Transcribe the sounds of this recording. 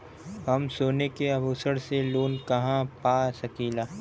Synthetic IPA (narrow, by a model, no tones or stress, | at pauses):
ɦɐmsoːnekeɐbuːsəɽseloːnkɐɦãpaːsɐkiːlaː